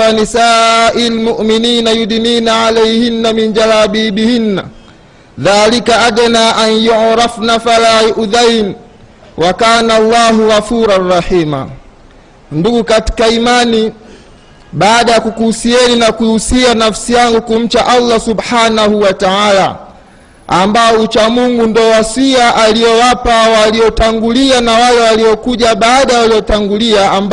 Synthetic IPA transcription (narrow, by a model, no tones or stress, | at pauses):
anisaːʔilmuʔminiːnajudiniːnaʕalɛjhinːamind͡ʒalaːɓiːɓihinːa̰ | ðaːlikaʔadanaːʔanjuʕɾafnafalaːʔuðajn | wʔakaːnalːaːɦuɣafuːɾanrɑħiːma̰ | nduɡukati̥kaimani | ɓaːɗajakukuhusiɛninakuhusianafsijaŋɡukum̩t͡ʃaʔalːasubħaːnahuwataala̰ | ambaɔut͡ʃamuŋɡundɔwasiaʔaliɔwapawaliɔtaŋɡulianawalɛwaliɔkuʄaɓaːɗajawaliɔtaŋɡuliaamb